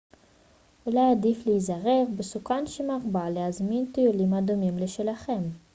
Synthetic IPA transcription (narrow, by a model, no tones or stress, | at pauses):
ulajadifleizaʁe̞ʁbesukanʃemaʁbaleazmint̪ijulimad̪umimleʃelaχe̞m